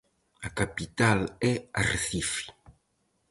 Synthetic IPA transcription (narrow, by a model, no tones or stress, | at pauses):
akapit̪alɛaɾθifi̥